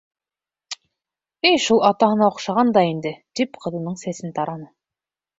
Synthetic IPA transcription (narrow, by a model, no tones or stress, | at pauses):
ɘjʃulˠɑt̪ɑɦɤ̆nɑŏqʃɑʁɑnd̪ɑind̪ɘt̪ipqʰɤ̆ðɤ̆nɤɴsæsɘnt̪ɑɾɑnɤ